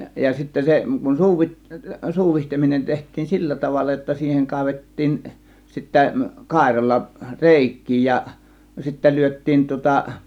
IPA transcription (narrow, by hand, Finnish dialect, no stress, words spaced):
jɑ sitːæ se kun suːʋit suːʋihteminen tehtˑiːn silːæ tɑʋɑlːɑ jotːɑ siːheŋ kɑˑe̝ʋetːiːn sitːæ kɑˑe̝rɑlːɑ reˑikˑiː jɑ sitːæ lyøtˑiːn tŭŏtɑ